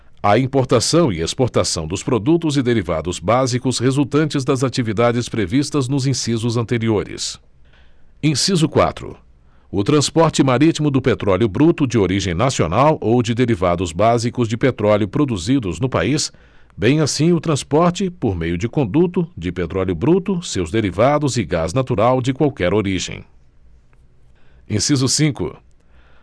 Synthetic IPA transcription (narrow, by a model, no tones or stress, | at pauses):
ɐĩpoɾt̪asɐ̃w̃ɪespoɾt̪asɐ̃w̃d̪ʊspɾod̪ut̪ʊzɪd̪eɾiva̰d̪ʊzbazikʊshezuwt̪ɐ̃nt͡ʃɪzd̪ɐzat͡ʃivid̪ad͡ʒɪspɾevist̪ɐznʊzĩsizʊzɐ̃nt̪eɾioɾɪ̰s | ẽsizʊkwa̰t̪ɾʊ̰ | ʊt̪ɾɐ̃spɔɾt͡ʃɪmaɾit͡ʃimʊd̪ʊpet̪ɾɔljʊbɾut̪ʊd͡ʒɪoɾiʒẽj̃nasio̰nawʔowd͡ʒɪd̪eɾivad̪ʊzbazikʊzd͡ʒɪpet̪ɾɔljʊpɾod̪uzid̪ʊznʊpa̰is | bẽj̃asĩʊt̪ɾɐ̃spɔɾt͡ʃɪpoɾmejʊd͡ʒɪkõnd̪ut̪ʊd͡ʒɪpet̪ɾɔljʊbɾut̪ʊsewzd̪eɾivad̪ʊzɪɡaznat̪uɾawd͡ʒɪkwawkɛɾoɾiʒḛ̃j̃ | ẽsizʊsĩkʊ̰